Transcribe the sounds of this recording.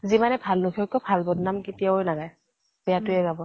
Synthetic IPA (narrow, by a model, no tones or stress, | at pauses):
zimanɛbʱalnukʰɔkːɔbʱalbɔdnamkitijaojnaɡaj | b̥ɛjatʊɛɡabɔ